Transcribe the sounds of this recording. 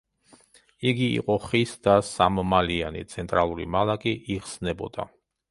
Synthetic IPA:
iɡiḭqʼɔχisd̪asamɔmalianḭt̪sʰɛnt̪ʼɾalˠuɾḭmalˠakʼiʔiχsnɛbɔd̪̥a̰

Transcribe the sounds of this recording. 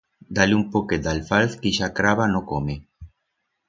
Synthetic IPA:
d̪aliumpoked̪alfalθkiʃakɾaβanokome

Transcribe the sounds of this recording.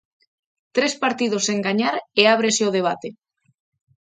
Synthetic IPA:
t̪ɾespaɾt̪iðoseŋɡaɲaɾeaβ̞ɾeseoð̞eβ̞at̪e

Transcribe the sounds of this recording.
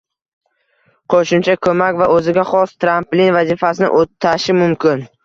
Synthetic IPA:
qʰoʃʊmt͡ʃʰakʰɵmakʲvaʔɵzɪɡʲaχɒst̪ʰɾamplinvazifasɪnɪ̰ʔot̪ʰːaʃɪmʊmkʲɪn

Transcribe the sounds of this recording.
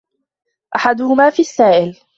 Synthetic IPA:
ʔaħad̪ʊhʊmaːfiːʔasːaːʔɪl

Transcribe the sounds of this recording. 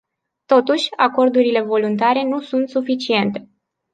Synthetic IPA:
t̪o̞t̪uʃʲa̰ko̞rd̪uɾile̞vo̞lunt̪aɾe̞nusunt̪sufit͡ʃie̞nt̪e̞

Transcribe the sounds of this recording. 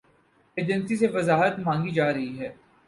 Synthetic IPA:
eːd͡ʒə̃nsiseʋɐzaːɦət̪mãːŋɡid͡ʒaːɾɐɦiɦɛː

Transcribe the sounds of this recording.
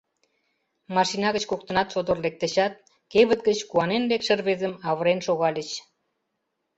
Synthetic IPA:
mɑʃinɑɣət͡ɕkok̚t̪ə̆nɑt̪ʃod̪orlek̚t̪ə̆ɕɑt̪̚ | keβət̪̚ɡət͡ɕkuɑnenlekʃə̆rβezəmɑβəɾenʃoɣɑlʲət͡ɕ

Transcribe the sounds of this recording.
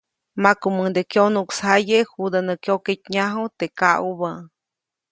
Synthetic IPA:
makuməd̪ekjonukshajehud̪anəkjoket̪ɲaɦot̪ekauba

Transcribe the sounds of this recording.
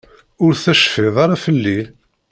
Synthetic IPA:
ʊɾθæʃfɪðˤɑɾˤɑfəlːi

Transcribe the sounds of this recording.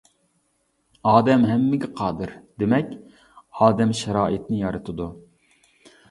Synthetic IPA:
ɑːd̪ɛmɦɛmːɪɡʲɛqʰɑːd̪ɨɾd̪̥emɛkʲ | ɑːd̪ɛmʃɛɾɑːʔit̪nɪjɑɾɨt̪ʰɨd̪u

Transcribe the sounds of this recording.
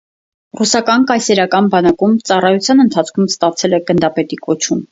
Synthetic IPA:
rusɑkɑnkɑjsɛɾɑkɑnbɑnɑkumt͡sɑrɑjut͡sʰjɑnənt̪ʰɑt͡sʰkʰumst̪ɑt͡sʰɛlɛɡənd̪ɑpɛt̪ikɔt͡ʃʰum

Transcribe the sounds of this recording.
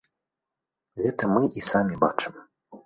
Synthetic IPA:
ɣɛt̪ɐmɨʔisamʲiba̰t͡ʂɨm

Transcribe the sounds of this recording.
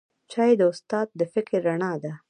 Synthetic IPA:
t͡ʃɑjed̪əʊst̪ɑd̪̚ːəfɪkɾːaɳɑd̪a

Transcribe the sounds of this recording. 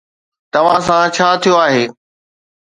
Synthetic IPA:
t̪ɐʋ̤ãsãt͡ɕʰaːt̪ʰijoaːɦeː

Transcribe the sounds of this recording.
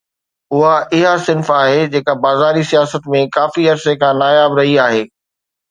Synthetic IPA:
ʊɦaɪɦasɪ̃nfaːɦed͡ʑeːkabaːzaːɾisijaːsət̪mẽkaːfiɐɾsekʰãːnaːjaːbɾɐɦiaːɦeː

